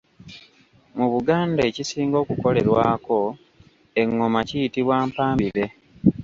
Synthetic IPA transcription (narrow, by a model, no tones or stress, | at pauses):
muβuɡaːndaecisiːŋɡo̞ːkuko̞le̞ɾwaːko̞ | e̞ŋːomacijitiβwaːmpaːmbiβe̞